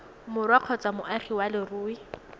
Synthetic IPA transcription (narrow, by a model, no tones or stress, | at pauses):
mʊrwaq͡χʰɔt͡sʼamʊʔaχiwalɪruːi